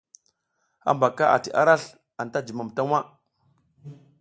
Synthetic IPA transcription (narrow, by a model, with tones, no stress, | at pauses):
a̰˦mba˨ka˦ʔa̰˨ti˨ʔa̰˦ɾa˦ɬ | a˨nta˦d͡ʒi˨ma˨mta˦ŋwa˦